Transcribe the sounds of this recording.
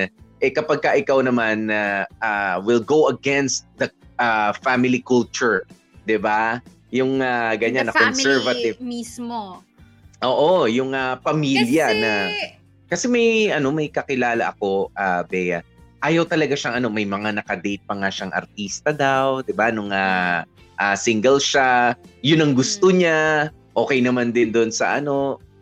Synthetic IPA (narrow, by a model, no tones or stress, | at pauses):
ʔɛkɐpɐɡ̚kɐʔɪkawnɐmanːɐawɪlɡowɐɡɛnst̪̚d̪ɐʔafamɪlikult͡ʃʊɹ | d̪ɪba | jʊŋaɡɐɲanːɐkɔnsɛɹvɐt̪ɪvs | ʔoːʔojʊŋapɐmiljɐnɐ | kɐsɛmɐjʔɐno̞mɐjkɐkɪlaːlɐ̰ʔɐko̞ʔabɛjɐ | ʔaːjɐwt̪ɐlɐɡaʃaŋʔɐno̞mɐjmɐŋanɐkɐd̪ɛjt̪̚pɐŋaʃaŋʔɐ̰ɾt̪̚ist̪ɐd̪awd̪ɪbanʊŋa | ʔasiŋɡɛlʃajʊnːɐŋɡʊst̪oɲa | ʔo̞ːkɛjnɐmand̪ɪnd̪onsɐ̰ʔɐ̰no̞